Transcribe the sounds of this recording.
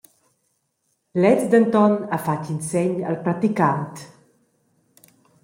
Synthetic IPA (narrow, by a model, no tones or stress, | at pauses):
lɛt͡sd̪ənt̪ɔnafacinsɛɲa̰lpɾat̪ikant̪